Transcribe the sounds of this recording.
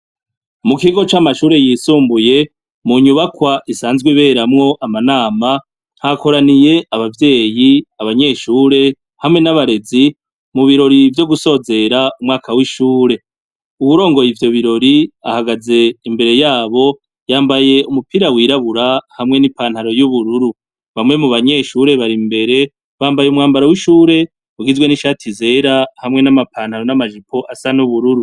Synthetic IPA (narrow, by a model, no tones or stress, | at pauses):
mukiɡo̞t͡ʃamaʃuːɾe̞jiːsuːmbuje̞ | muɲuβakwaʔisaːnzɡwiβe̞ːɾamŋo̞ʔamanaːma | n̥hako̞ɾanije̞ʔaβavje̞ːjiaβaɲe̞ːʃuːɾe̞ | hamŋe̞naβaɾe̞zi | muβiɾo̞ɾivjo̞ɡuso̞ze̞ɾaumŋaːkʰawiʃuːɾe̞ | uwuɾo̞ːŋɡo̞jivjo̞βiɾo̞ɾia̰haɡaze̞imbe̞ɾe̞jaːβo̞ | jaːmbaje̞umupiɾawiːɾaβuɾahamŋe̞nipaːn̥haɾo̞juβuɾuɾu | βamŋemuβaɲe̞ːʃuːɾe̞βaɾimbe̞ɾe̞ | βaːmbajeumŋaːmbaɾawiʃuːɾe̞ | uɡizɡwe̞niʃatʰize̞ːɾahamŋe̞namapʰaːn̥haɾo̞namaʒipʰo̞ʔasanuβuɾuɾu